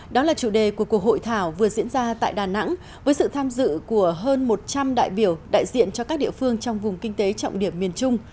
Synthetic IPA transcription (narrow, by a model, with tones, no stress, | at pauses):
ɗɔ˨˦laː˨˩t͡ɕu˧˩ɗe˨˩ku˧˩əku˨˩ək̚ho̰˧˨jt̪ʰaː˧˩wvɨ˨˩əzḭ˧˥ənzaː˧t̪a̰ː˧˨jɗaː˨˩na̰˧˥ŋ | vəː˨˦jsɨ̰˧˨t̪ʰaː˧mzɨ̰˧˨ku˧˩əɦəː˧nmo˨˩t̚t͡ɕa˧mɗa̰ː˧˨jɓi˧˩əwɗa̰ː˧˨jzḭ˧˨ənt͡ɕɔ˧kaː˦˥k̚ɗḭ˧əfɨ˧əŋt͡ɕɔ˧wŋ͡mvʊ˨˩ŋ͡mkï˧ŋ̟t̪e˨˦t͡ɕɔ̰˧˨wŋ͡mɗi˧˩əmːi˨˩ənt͡ɕʊ˧ŋ͡m